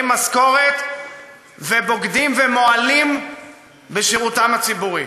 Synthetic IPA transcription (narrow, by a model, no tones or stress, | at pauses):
masko̞ʁet̪ | vebo̞ɡd̪imvemo̞alim | beʃeʁut̪amhat͡sibuʁi